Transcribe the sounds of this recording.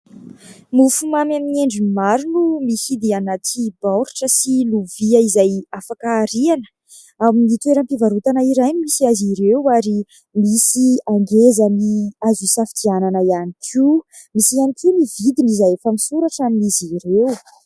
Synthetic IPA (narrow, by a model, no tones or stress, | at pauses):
mufumamamineɳɖ͡ʐimaɾunumisid̪eanat̪ʰibawɾi̥ʈ͡ʂəsiluviəizajafakaːɾianə̥ | aminit̪weɾəmpivaɾut̪anaiɾaj̪misiaziɾewaɾi | misiaŋɡezəniazusafit̪iananəjanikʰu | misianikʰunivid̪inizajefəmisuɾaʈ͡ʂaminiziɾew